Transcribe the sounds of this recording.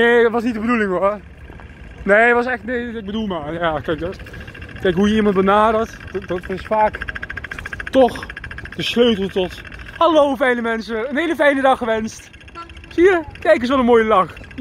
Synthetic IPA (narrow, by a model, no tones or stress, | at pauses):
neːtʋɑsnitdəbədulɪ̃ŋʋɔ | neːətʋɑsɛxtneːɪɡ̚bədulˠmaːjaːkɛjk̚dɔtkɛjkɦujəimɑnt̚bənaːdəɹtdɑtɪsfaːk | tɔxd̥əsløɥtl̩ˠtɔthalowfɛjnəmɛnsəənɦeːləfɛjnədɑχəʋɛnst | siːəkɛjk̬əs̬ʋɛlˠənmoːjəlɑx